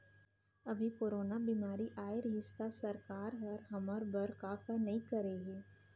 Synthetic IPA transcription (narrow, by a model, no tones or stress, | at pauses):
ɐbʱikoːɾoːnabiːmaːɾiʔaːɪɾɦɪst̪asɐɾkaːɾɦɐɾɦɐmɔɾbɐɾkakanɐɦĩkɐɾeɦɛː